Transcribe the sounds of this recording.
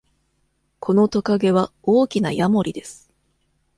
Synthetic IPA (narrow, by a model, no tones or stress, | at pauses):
kʰo̞no̞t̪o̞kaɡe̞βao̞ːkʲinajamo̞ɾʲid̪e̞sɨ̥